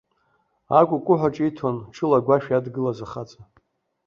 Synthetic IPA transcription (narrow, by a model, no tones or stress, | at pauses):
akʷʼʊkʷʼʊħʷaʈ͡ʂʼitʰonʈ͡ʂʰɨlaɡʷaʃᶣadɡɨlazaχat͡sʼa